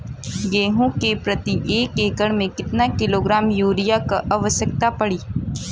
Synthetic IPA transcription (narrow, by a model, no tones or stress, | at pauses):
ɡeːɦõkepɾɐt̪iʔeːkeːkəɽ̃mẽkɪt̪nakɪloːɡɾaːmjuːɾijakaʔɐʋəʃjək̚t̪apɐɽiː